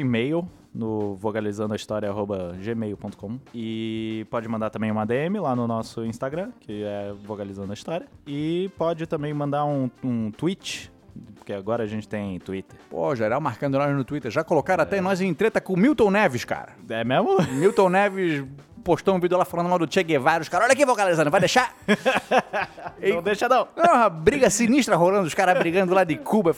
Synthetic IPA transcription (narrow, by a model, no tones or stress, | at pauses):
ĩmejw | nʊvokalizɐ̃nd̪ʊɐist̪ɔɾjɐaɦobɐʒemejʊpõnt̪ʊ̥kõmɪpɔd͡ʒɪmɐ̃d̪aɾt̪ɐ̃mbẽj̃ũad̪eẽmɪlanʊnɔsʊĩst̪aɡɾɐ̃kʰɪɛvokalizɐ̃nd̪ʊɐist̪ɔɾjɐɪpɔd͡ʒɪt̪ɐ̃mẽj̃mɐ̃nd̪aɾũũt̪uit͡ʃɪ̥ | poɾkeaɡɔɾɐːʒẽnt͡ʃɪ̥t̪ẽj̃t̪uit̪eɾpo̰ʒeɾawmaɾkɐ̃nd̪ʊnɔjznʊt̪uit̪eɾʒakolokaɾ̃at̪ɛnɔjzẽt̪ɾet̪ɐkõmiwt̪õw̃nɛvɪʃka̰ɾɐɛmemʊmiwt̪õnɛvɪs | poʃt̪õũvid̪ʊlafalɐ̃d̪mãd̪ʊt͡ʃeɡevaɾʊʃkaɾɐɔʎɐk̬ɪvokalizɐ̃d̪vajd̪eʃa | ɐ̃w̃d̪eʃanɐ̃w̃oɦɐbɾiɡɐsiniʃt̪ɾɐɦolɐ̃nd̪ʊʃkaɾɐbɾiɡɐ̃nd̪ʊlad̪ɪkʰubɐ